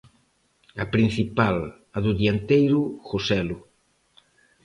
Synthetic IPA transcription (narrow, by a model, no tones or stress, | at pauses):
ɐpɾin̟θipal | ɐðʊðiant̪ejɾʊxosɛlʊ